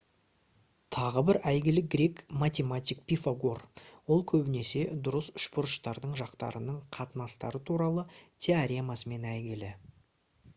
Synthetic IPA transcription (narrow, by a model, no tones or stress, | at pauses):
t̪ʰɑʁəbɪɾæjɡʲɪlɪɡʲɾʲe̞kmat̪ʲe̞mat̪ʲijk̚pʲifaɡorwo̞lˠkʲʰɵbɪne̞se̞d̪ʊɾəsʏ̥ʃpʊɾəʃt̪ɑɾd̪əɴʒɑqt̪ɑ̰ɾənəɴqʰɑt̪ənɑst̪ɑ̰ɾət̪ʰuɾɑlˠət̪ʰʲeaɾʲe̞masəme̞næjɡʲɪlɪ